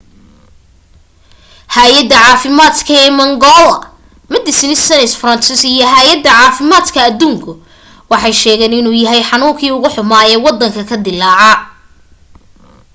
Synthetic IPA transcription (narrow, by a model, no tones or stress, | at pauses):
haːjɐd̪ːɐʕɑːfɪmaːd̪kʰɐɛːmɐŋɡɔlɐ | mɐd̪ɪsɪnɪsɐnɛsfrɐnsɪsijɞɦaːjɐd̪ːɐʕɑːfɪmaːd̪kʰɐːd̪uːŋkʰʊ | wɑħɑjʃɛːɣɛːnɪnuːjɐɦɛjħɑnuːŋkʰiːʊɣʊħʊmaːɛːwɑd̪ːɐŋkʰɐkʰɐd̪ɪlːaːʕɑ